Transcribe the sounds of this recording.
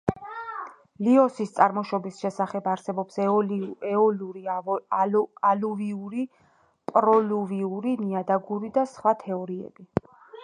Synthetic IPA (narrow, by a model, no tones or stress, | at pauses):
liɔsist̪sʼaɾmɔʃɔbisʃɛsaχɛbaɾsɛbɔps | ɔluɾi | aluviuɾi | pʼɾɔluviuɾiniad̪aɡuɾid̪asχwat̪ʰɛɔɾiɛ̰b̥i